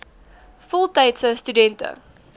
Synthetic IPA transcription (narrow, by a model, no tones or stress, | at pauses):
fɔlˠtɐjtsəstydɛntə̰